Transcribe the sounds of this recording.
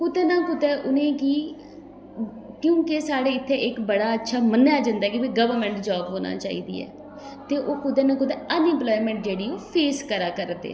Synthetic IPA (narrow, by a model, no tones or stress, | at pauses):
kʊd̪eːnãːkʊt̪ɛːʔʊnẽːkɪ | kjũːkesaːɽeːɪt̪ʰːeːʔɪkbəɽaːətːʃʰaːmənːjaːd͡ʒə̃nd̪aːkɪbiːɡəʋəɾmɛ̃ːɳʈd͡ʒɔːbɦoːna̰ːt͡ʃa̰ːḭːd̪ḭːɛ̰ː | t̪eːʔoːkʊd̪eːnãːkʊd̪ɛːənɪ̃mplɔːimɛ̃ɳʈd͡ʒeːɽiːoːpʰeːskəɾaːkəɾd̪ḛː